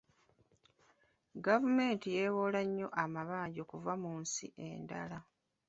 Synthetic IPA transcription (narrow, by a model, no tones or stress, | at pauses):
ɡavume̞ːntijeβo̞laɲːo̞ʔamaβaːɲɟo̞kuvamuːnsḭʔe̞̰ːnda̰la